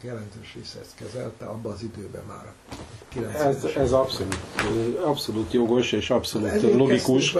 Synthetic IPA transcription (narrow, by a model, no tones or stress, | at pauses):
jɛlɛnt̪øːʃʋeːsɛɛst̪kɛzɛ̰lt̪ɛ̰ɒbːɒːzid̪øːbɛ̰ma̰ːɾ | kilɛnɛzɛzɒpso̞luːtːɒpso̞luːt̪jo̞ɡo̞ʃeːʃɒpso̞luːt̪lo̞ɡikuʃ